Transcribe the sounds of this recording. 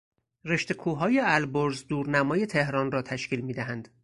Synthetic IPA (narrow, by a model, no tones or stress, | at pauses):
re̞ʃt̪e̞kʰuːɦɒːjeælboɾzd̪uːɾnæmɒːje̞t̪ʰe̞hɾɒːnrɒːt̪ʰæʃciːlmiːd̪æɦænd̪̥